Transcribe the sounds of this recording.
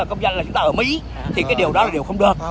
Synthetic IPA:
kə˧wŋ͡mza˧jnlaː˨˩t͡ɕʊ˨˦ŋ͡mt̪aː˧ʔːmḭ˧˥ | t̪ʰi˨˩kaː˨˦ɗi˨˩əwɗɔ˨˦aː˨˩ɗi˨˩wxə˧wŋ͡mɗɨ˨˩ək̚

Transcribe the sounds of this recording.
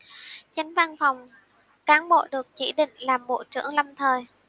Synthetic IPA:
t͡ɕa˨˦jŋ̟vaː˧nfa˨˩wŋ͡m | kaː˨˦nɓo̰˧˨ɗɨ˨˩ək̚t͡ɕi˧˩ɗḭ̈˧˨ŋ̟laː˨˩mɓo̰˧˨t͡ɕɨ̰˧˩əŋla˧mt̪ʰəː˨˩j

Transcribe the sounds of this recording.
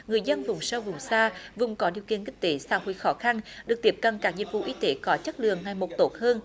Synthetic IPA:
ŋɨ˨˩əjzə˧nvʊ˨˩ŋ͡msə˧wvʊ˨˩ŋ͡msaː˧vʊ˨˩ŋ͡mkɔ˨˦ɗi˨˩əwkḭ˧˨ənkï˦˥ŋ̟t̪e˨˦sa̰ː˧˦ho̰˧˨jxɔ˨˦xa˧nɗɨ˨˩ək̚t̪i˧˩əp̚kə˨˩ŋkaː˦˥k̚zï˨˩vṵ˧˨ʔi˧˦t̪e˨˦kɔ˨˦t͡ɕə˦˥t̚lɨ̰˧˨əŋːa˨˩jmo˨˩t̚t̪o˦˥t̚həː˧n

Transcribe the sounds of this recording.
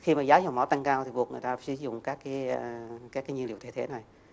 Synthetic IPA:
xi˧maː˨˩zaː˨˦zʊ̰˨˧˨ŋ͡mmɔ˨˦t̪a˧ŋkaː˧wt̪i˨˩ɓu˨˩k̚ŋɨ˨˩jt̪aː˧sɨ˧˩˦zʊ̰˧˨ŋ͡mkaː˦˥kːaː˨˦jkaː˨˦˥kːaː˨˦ɲi˧nlḭ˧˨˩wt̪ʰe˨˦t̪ʰe˨˦na˨˩j

